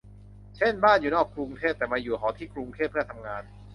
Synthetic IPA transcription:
t͡ɕʰe˥˩nbaː˥˩njuː˨˩nɔː˥˩kːɾu˧ŋt̪ʰeː˥˩p̚t̪ɛː˨˩maː˧juː˨˩kʰɔː˩˦t̪ʰiː˥˩kɾu˧ŋt̪ʰeː˥˩p̚ʰːɯ˥˩ɐt̪ʰa˧mŋaː˧n

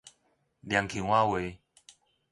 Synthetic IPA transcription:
lja˨˦ŋkʰi˨˩˦ŋwa˦we˨˦

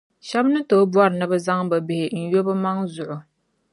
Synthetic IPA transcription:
ʃɛ˦bnɨ˦to˦bu˦a˦ɾɨ˨nɨ˦bɨ˦za˦ŋba˨bɪ˨hɪ˨n̩˨jo˦bɨ˦ma˦ŋzʊ˨ʔʊ˨

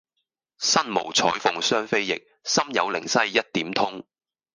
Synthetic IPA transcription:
sɐ˥nmo̰˨˩wt͡sʰɔ̰ː˨˥jfʊ˨˧ŋsœː˥ŋfe˥jːɪ̰˨k̚sɐ˥mjɐ˨˧wlɪ˨˩ŋsɐ˥jːɐ˥t̚t̪iː˨˥mt̪ʰʊ˥ŋ

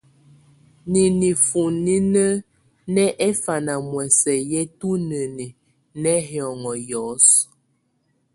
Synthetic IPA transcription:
ni˨ni˨fu˨ni˦nə˦ | nɛ˦ʔɛ˦fa˨na˨mwɛ˨sɛ˨jɛ˦tu˦nə˨ni˨ | nɛ˦ɦɔ˨ŋɔ˨jɔ˨˦s

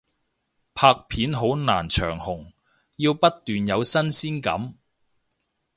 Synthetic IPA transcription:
pʰaː˧k̚pʰiː˨˥nɦo˨˥wna̰ː˨˩nt͡ʃʰœ̰ː˨˩ŋhʊ˨˩ŋ | jiː˧wpɐ˥t̚t̪yː˨njɐ˨˧wsɐ˥nsiː˥nkɐ̰˨˥m

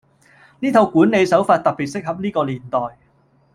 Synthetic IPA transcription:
niː˥t̪ʰo˧wkuː˨˥ne˨˧jsɐ˨˥wfaː˧t̚t̪ɐ˨k̚piː˨t̚sɪ˥k̚hɐ˨p̚niː˥kɔː˧liː˨˩nt̪ɔː˨j

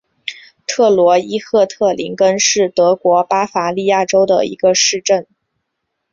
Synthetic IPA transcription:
t̪ʰɤ˥˩lwɔ˧˥i˥xʰɤ˥˧t̪ʰɤ˥˩lḭ˧˥ŋkə˥nʂɻ̩˥˩t̪ɤ˧˥kwɔ˧˥pa˥fa˧˥li˥˧ja˥˩ʈ͡ʂo˥ʊd̪ə̰˨˩ḭ˧˥ɡə˧ʂɻ̩˥˧ʈ͡ʂə˥˩n

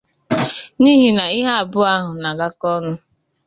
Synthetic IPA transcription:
niː˦ɦi˨na˨ɪ˦ɦa˦a˨bʊ˦a˦ɦʊ˨na˨ɡa˦kɔ˦nʊ˦

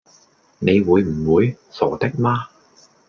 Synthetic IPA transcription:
ne˨˧jwuː˨˧jm̩˨˩wuː˨˧j | sɔː˨˩t̪ɪ˥k̚maː˥

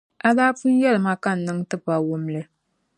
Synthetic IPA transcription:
a˦daː˦fu˦njɛ˦lɨ˨ma˦ka˦n̩ː˨ɨ˦ŋtɨ˦pa˨wʊ˦mlɨ˨

